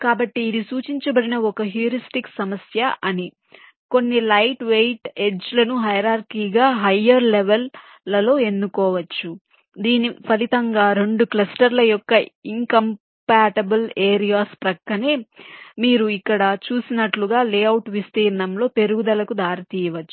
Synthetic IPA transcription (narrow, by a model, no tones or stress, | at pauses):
kaːbɐʈːiːd̪isuːt͡ʃiɲt͡ʃɐbɐɽinɐɔkɐɦjuɾisʈiksɐmɐsjɐʔɐni | ko̞nːilɐjʈʋejʈe̞d͡ʒlɐnuɦɐjɐɾaːɾkiːɡaːɦɐjːɐɾleʋelː | ɐlo̞ːe̞nd̪ukɔːʋɐt͡ʃːu | d̪iːnipʰɐlit̪ɐŋɡaːɾe̞ɳɖuklɐsʈɐɾlɐjɔkːɐiŋkɐm | paːʈɐbɐleːɾijaːspɾɐkːɐneːmiːɾuikːɐɽɐt͡ʃuːsinɐʈluɡaːleːɐwuʈʋist̪iːɾɐnɐmlo̞ːpe̞ɾuɡud̪ɐlɐkud̪aːɾit̪iːjɐʋɐt͡ʃːu